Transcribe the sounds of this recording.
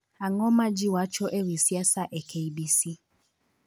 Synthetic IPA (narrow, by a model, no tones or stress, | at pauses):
aŋɔmãd͡ʒiwat͡ʃɔʔewisiasaʔɛkʰeibisi